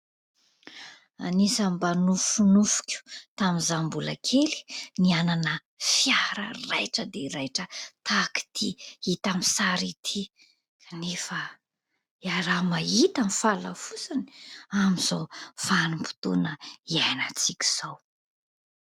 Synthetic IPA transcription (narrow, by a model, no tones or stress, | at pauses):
anisambanufunufu̥kʲu̥t̪amizambulakʰeli̥niananə | fjaɾərajʈ͡ʂəd̪eɾajʈ͡ʂət̪aki̥t̪ʰiit̪amisaɾit̪ʰi | kʰanefə | jaɾamait̪anifala̰fusani̥amizowfanumpu̥t̪ṵnəianat͡sikʲi̥z̥ow